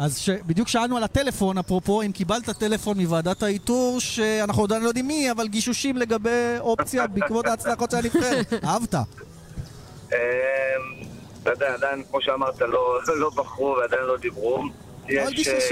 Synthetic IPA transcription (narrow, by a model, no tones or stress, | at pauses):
azʃebid̪jukʃaalnualatele̞fo̞napʁopo̞imkibalt̪at̪e̞le̞fo̞nmivaːdathaituʁʃeanaχnujod̪anlojdimːiavalɡiʃuʃimle̞ɡabe̞jo̞pt͡sjabikvo̞t̪aːt͡slaχotʃeanifeʁahavt̪a | em | t̪ojd̪eaːd̪ajinkmo̞ʃeamaʁt̪alo̞lo̞baχʁuvead̪ajinlo̞d̪ibʁum | jevalʃɡiu